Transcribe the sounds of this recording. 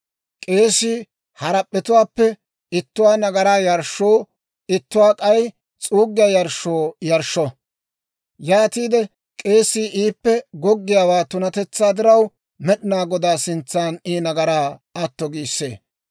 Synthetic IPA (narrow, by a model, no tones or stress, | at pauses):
kʼe̞ːsiː | hɐɾɐpʼːɛt̪ʊwaːpːɛ | ɪt̪ːʊwaːnɐɡɐɾaːjɐɾʃːoː | ɪt̪ːʊwaːkʼɐj | t͡sʼuːɡːɪjaːjɐɾʃoːjɐɾʃːɔ | jaːt̪iːd̪ɛ | kʼe̞ːsiːʔiːpːɛɡɔɡːɪjaːwaːt̪ʊnɐt̪ɛt͡sːaːd̪ɪɾɐw | mɛɗɪnaːɡɔd̪aːsɪnt͡sːaːniːnɐɡɐɾaːɐt̪ːɔɡiːsːḛː